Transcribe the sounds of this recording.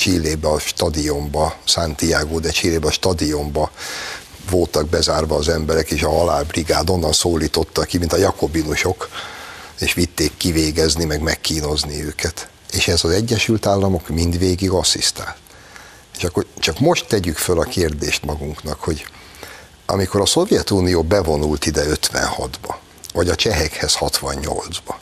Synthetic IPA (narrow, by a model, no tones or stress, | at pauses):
t͡ʃilːeːbɛɒʃt̪ɒd̪io̞mbɒsaːnt̪ijaːɡoːd̪ɛt͡ʃileːbɛɒʃt̪ɒd̪io̞mbɒ | vo̞lt̪ɒɡ̚bɛzaːrvɒːzɛmbɛɾɛkeːʃɒɦɒlaːbriɡaːd̪o̞nːɒnsoːlːiːt̪o̞t̪ːɒkːimint̪ɒjɒko̞binuʃo̞k | eːʃʋit̪ːeːkːiveːɡɛznimɛɡmɛkːiːno̞zniøːkʰɛt̪ | eːʃɛzɒzɛɟːɛʃylt̪aːlːɒmo̞kmind̪ʋeːɡiɡɒsist̪a̰ːlt̪ | eːʃɒkːort͡ʃɒkmo̞ʃt̪ːɛɟykfølɒkeːrd̪eːʃt̪mɒɡuŋknɒkho̞ɟ | ɒ̰miko̞ɾɒso̞vjɛt̪uːnijoːbɛvo̞nult̪id̪ɛø̞t̪ʋɛ̰nhɒ̰d̪bɒ | vɒɟɒt͡ʃɛɦɛkhɛshɒt̪ʋɒɲɲo̞̰ld̪zbɒ